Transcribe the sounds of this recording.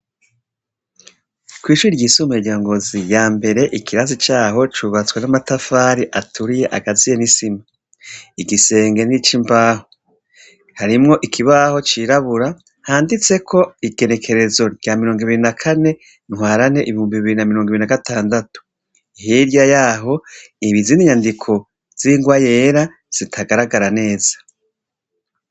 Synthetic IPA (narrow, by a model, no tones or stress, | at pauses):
kwiːʃuɾiɾɟisumueɟaːŋɡo̞zijaːmbe̞ɾe̞ʔikʰiɾazit͡ʃaːɦo̞t͡ʃuβat͡swenamatafaːɾiʔatuɾije̞ʔaɡazijenisima | iɡise̞ːŋɡe̞nit͡ʃimbaːho | haɾimŋo̞ʔikʰiβaho̞t͡ʃiɾaβuɾa | haːndit͡se̞kʰo̞iɡe̞ne̞kʰe̞ɾe̞zo̞ɟamiɾo̞ːŋɡiβiɾinakʰane̞ | ŋwaːɾane̞ʔiβihuːmbiβiɾinamiɾoŋɡiβiɾinaɡatʰaːndatu̥ | iɦiɾjajaːɦo̞iβiziniɲandikʰo̞ | z̥iŋɡwaje̞ɾa | z̥itʰaɡaɾaɡaɾane̞ːz̥ḁ